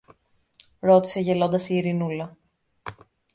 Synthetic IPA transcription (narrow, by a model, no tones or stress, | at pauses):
ɾo̞t̪i̥se̞ʝe̞lo̞nd̪ɐsiːɾinulɐ